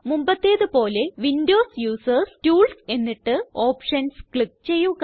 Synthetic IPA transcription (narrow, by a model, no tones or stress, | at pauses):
mumbɐt̪ːeːðɨpo̞ːle̞ʋindo̞ːsjuːsɐrstuːlse̞nːiʈːɨo̞ːpʂɐnskɭik̚t͡ɕe̞jːuk